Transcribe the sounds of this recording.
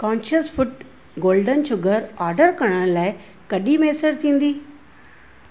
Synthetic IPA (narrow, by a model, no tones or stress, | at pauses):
kɔ̃ːnʃəsfʊʈ | ɡoːlɖənʃʊɡəɾaːɾɖəɾkɐɽ̃ə̃ɽ̃laːɪ | kɐɗimeːsəɾt̪ʰĩːn̆d̪iː